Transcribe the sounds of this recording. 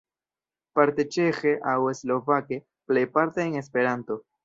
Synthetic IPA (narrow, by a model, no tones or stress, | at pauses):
paɾt̪et͡ʃexeʔaweslo̞vake | plejpaɾt̪eːŋespeɾant̪o